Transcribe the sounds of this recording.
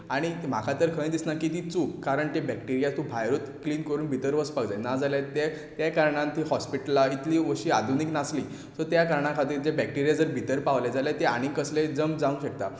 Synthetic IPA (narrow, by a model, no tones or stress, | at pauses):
aɽ̃im̤akʰat̪əɾkʰə̃j̃d̪isnakiːt̪iːt͡sukkaɾəɳt̪ebɛk̚ʈiɾijat̪ũbʱajɾut̪kliːnkəɾuːnbʱit̪əɾʋəspaɡd͡zajnad͡zaljat̪e | t̪jakaɾɳãnt̪ʰiːɦɔspiʈəlait̪liːʋəɕiːad̪ʱuniknasli | t̪əɾt̪jakaɾɳãkʰat̪̬iːɾd͡ʑabɛk̚ʈiɾijad͡zəɾbʱit̪əɾpaʋled͡zalat̪ea̰ɽ̃ĩkəsled͡zəmd͡zaʋũŋɕək̚t̪a